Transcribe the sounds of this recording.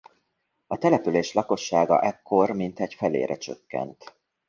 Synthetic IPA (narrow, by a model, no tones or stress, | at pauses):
ɒt̪ɛlɛpyleːʃlɒko̞ʃːaːɡɒ̰ʔɛkːo̞rmint̪ɛɟfɛlḛːɾʔɛt͡ʃøkːɛ̰nt̪